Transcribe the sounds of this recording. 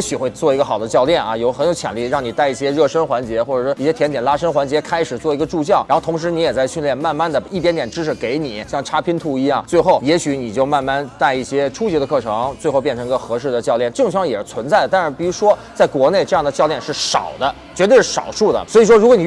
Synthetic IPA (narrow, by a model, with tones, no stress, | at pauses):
ɕy˨˩xwe˥˧ɪt͡swɔ˥˩i˧˥ɡə˧˩xɑ˨˩ʊd̪ə˦t͡ɕjɑ˥˧ʊljɛ˥˩nɐ˩jo˧˥ʊxə˧˥njʊt͡ɕʰjɛ˨˩nli˥˩˧ɻɑ˥˩ŋni˨˩t̪a˥˧ɪi˥˩ɕjɛ˥ɻɤ˥˩ʂə˥nxwa˧˥nt͡ɕjɛ˧˥xwɔ˥˩ʈ͡ʂɤ˨˩ʂwɔ˥i˥˩ɕjɛ˥t̪ʰjɛ˧˥nt̪jɛ˨˩nla˥ʂə˥nxwa˧˥nt͡ɕjɛ˧˥kʰa˥ɪʂɻ̩˨˩t͡swɔ˥˩i˧˥ɡə˧ʈ͡ʂu˥˧t͡ɕjɑ˥˩ʊa˧˥xt̪ʰʊ˧˥ŋʂ̬ɻ̩˧˥ni˧˥jɛ˨˩t͡sa˥˧ɪɕy˥˧nljɛ˥˧nma˥˧nma˥˩nd̪ə˩i˥˩t̪jɛ˧˥nt̪jɛ˨˩nʈ͡ʂɻ̩˥ʂʰɻ̩˨˩ke˧˥ɪni˨˩˦ɕjɑ˥˩ŋʈ͡ʂʰa˥pʰi˥nt̪ʰu˥˩i˧˥jɑ˥˩ŋt͡swe˥˧ɪxo˥˩ʊjɛ˧˥ɕy˧˥ni˨˩t͡ɕjo˥˧ʊma˥˧nma˥˧nt̪a˥˧ɪi˥˩ɕjɛ˥ʈ͡ʂʰu˥t͡ɕd̪ə˧kʰɤ˥˩ʈ͡ʂʰɤ˧˥ŋt͡swe˥˧ɪxo˥˧ʊpjɛ˥˩nʈ͡ʂʰɤ˧˥ŋi˧˥ɡə˧xɤ˧˥ʂɻ̩˥˩d̪ə˩t͡ɕjɑ˥˧ʊljɛ˥˩nʈ͡ʂɤ˥˩ŋt͡ɕʰɑ˧˥ŋjɛ˨˩ʂ̩˥˩t͡sʰwə˧˥nt͡sa˥˩ɪə˩a˥˧ʂɻ̩˥˩pi˨˩ɻu˧˥ʂwɔ˥t͡sa˥˩ɪkwɔ˧˥ne˥˧ɪʈ͡ʂɤ˥˧jɑ˥˩ŋd̪ə˩t͡ɕjɑ˥˧ljɛ˥˧nʂɻ̩˥˩ʂɑ̰˨˩ʊd̪ə˦ | t͡ɕɥɛ˧˥t̪wʂɻ̩˥˩ʂɑ̰˨˩ʊʂu˥˩d̪ə̰˩swɔ˧˥i˨˩ʂwɔ˥ɻu˧˥kwɔ˧˥ni˨˩